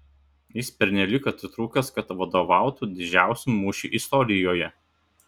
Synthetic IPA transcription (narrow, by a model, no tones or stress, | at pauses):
jɪspʲɛɾʲnʲɛlʲɪkɐt̪ʲɪt̪ɾuːkʲɐskɐt̪ʋɐd̪oːʋɑˑʊt̪uːd̪ʲɪd͡ʒʲæˑʊsʲumuːʃʲuːʔɪst̪ɔɾʲɪjoːjɛ